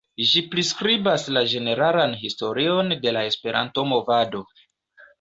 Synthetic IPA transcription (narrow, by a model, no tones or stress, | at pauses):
ʒipɾiskɾibaslad͡ʒe̞ne̞ɾalanɦisto̞ɾio̞nde̞lae̞spe̞ɾʔa̰nto̞mo̞vado̞